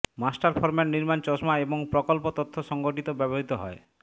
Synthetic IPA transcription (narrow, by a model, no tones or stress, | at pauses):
masʈaɾpʰɔɾmenniɾmant͡ʃɔsmaeboŋpɾɔkolpot̪ɔt̪ʰːoʃɔŋɡoʈit̪obɛboɦit̪oɦɔ̰e